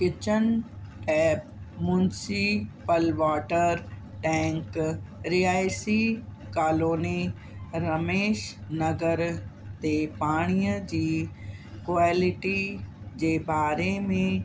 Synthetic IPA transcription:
kɪt͡ʃənɛːpmʊ̃nsipəlʋaːʈəɾ | ʈɛ̃ːŋkɾiːaːjsi | kaːloːni | ɾɐmeːʃnɐɡəɾt̪epaːɽ̃ijə̃d͡ʒiː | kʋaːlɪʈid͡ʒebaːɾemẽ

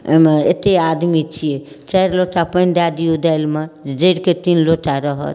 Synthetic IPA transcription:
mḛt̪ead̪mit͡ʃʰije | t͡ʃajɾloʈapənd̪ad̪iud̪ajlmed͡ʒəɾket̪inloʈʰaɾʌɦə̰t̪

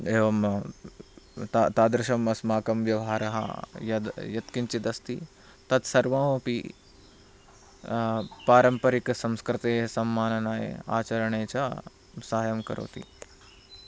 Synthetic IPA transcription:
eːʋɐm | t̪at̪aːd̪ɾɪʃɐmɐsmaːkɐmʋjɐʋɦaːɾɐɦɐ̰jɐd̪jɐt̪kiɲt͡ʃid̪ɐst̪i | t̪ɐt̪sɐɾʋãːʋopi | paːɾɐmpɐɾiksɐmskɾɪt̪eːɐsɐmːaːnɐnaːjḛa̰ːt͡ʃɐɾɐɳeːt͡ʃɐ | saːjɐmkɐ̰ɾʔo̰ːt̪ḭ

